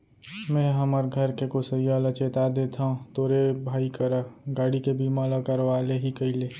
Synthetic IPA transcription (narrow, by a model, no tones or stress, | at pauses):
mɛ̃ːɦəməɾɡʱəɾkekosəjalət͡ʃet̪ad̪et̪ʰaɦũt̪oːɾebʱaːikəɾəɡaːɽikebimaləkəɾʋaːleɦikəile